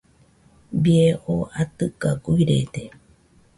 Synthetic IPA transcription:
bieʔoat̪ɨkaɡuiɾḛd̪e

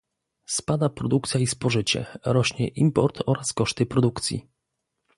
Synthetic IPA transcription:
spad̪apɾɔd̪uk̚t̪sʲjaispɔʐɘt͡ɕɛ̰ɾɔɕɲɛʔimpɔɾt̪ʰɔɾaskɔʂt̪ɘpɾɔd̪ukt̪sʲjḭ

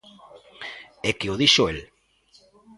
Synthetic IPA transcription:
ekeoðiʃoel

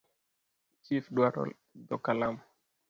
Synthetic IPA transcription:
t͡ʃifdwaɾɔ̰l | d̪ɔkalam

